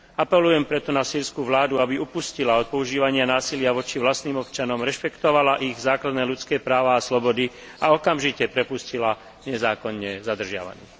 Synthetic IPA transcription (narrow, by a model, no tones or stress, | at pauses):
apɛlujɛmpɾɛt̪ɔnasiːɾskuːʋlaːd̪uabiupuscilaɔt̪̚pɔuʒiːʋaɲɪanaːsilɪaʋɔt͡ʃiʋlast̪niːmɔp̚t͡ʃanɔmɾɛʃpɛkt̪ɔʋalaʔiɣzaːklad̪nɛːlut͡skɛːpɾaːʋaːslɔbɔd̪i | aɔkamʒicɛpɾɛpuscila | ɲɛzaːkɔnːɛzad̪r̩ʒɪa̰ʋa̰nḭː